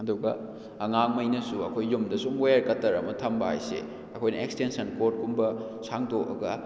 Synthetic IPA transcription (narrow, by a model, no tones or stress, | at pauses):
ɐduɡɐ̰ | ɐŋaŋmɐjnɐsuɐkʰojːumdɐsumwojɐɾkɐtːɐɾɐmɐtʰɐmbɐha̰jsḛ | ɐkʰojnɐekstensɐnkot̚kumbɐ | sʰaŋdoʔɐ̰ɡɐ